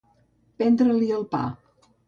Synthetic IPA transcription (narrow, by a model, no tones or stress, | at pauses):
pɛnd̪ɾəliəlˠpa̰